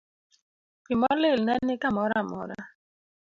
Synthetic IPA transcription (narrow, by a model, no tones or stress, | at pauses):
pimɔlelnɛnːɪkamɔɾamɔ̰ɾa̰